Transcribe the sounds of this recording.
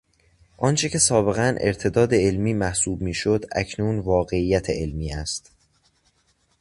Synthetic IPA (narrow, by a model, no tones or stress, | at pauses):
ʔɒːnt͡ʃʰecʰe̞sɒːbe̞ɣænʔeɾt̪ʰe̞d̪ɒːd̪e̞elmiːmæhsuːbmiːʃod̪æ̰cʰnuːnvɒːɣe̞ijːæt̪ʰeʔelmiːæst̪